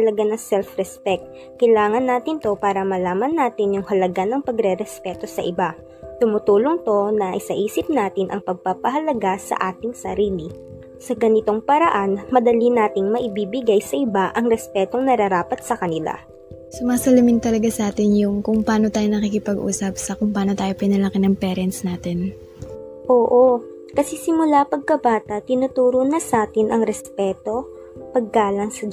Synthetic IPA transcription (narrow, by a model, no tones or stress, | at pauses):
ɐlɐɡanɐsɛlfɾɛspɛk̚t̪̚ | kɐjlaːŋɐnːaːt̪ɪnt̪o̞paːɾɐmɐlaːmɐnːaːt̪ɪnjʊŋhɐlɐɡanɐŋpɐɡɾɛɾɛspɛːt̪o̞sɐ̰ʔɪba | t̪ʊmʊt̪uːloŋt̪o̞nɐʔɪsɐʔiːsɪp̚naːt̪ɪnʔɐŋpɐɡ̚papɐɦɐlɐɡasɐ̰ʔaːt̪ɪŋsɐɾiːlɪ | sɐɡɐnɪt̪o̞ŋpɐɾɐʔanmɐd̪ɐlinaːt̪ɪŋmɐʔɪbiːbɪɡajsɐʔɪbaʔɐŋɾɛspɛːt̪oŋnɐɾɐɾaːpɐt̪̚sɐkɐnɪla̰ | sʊmaːsɐlɐmɪnt̪ɐlɐɡasɐʔaːt̪ɪnjʊŋkʊŋpaːno̞t̪aːjonɐkiːkɪpɐɡʔṵːsɐp̚sɐkʊŋpaːno̞t̪aːjo̞pɪnɐlɐkɪnɐŋpɛːɾɛnsnaːt̪ɛn | ʔoːʔo | kɐsɛsɪmʊlapɐɡ̚kɐbaːt̪ɐt̪ɪnʊt̪uːɾonɐsaːt̪ɪnʔɐŋɾɛspɛːt̪o̞ | pɐɡ̚kaːlɐŋsɐ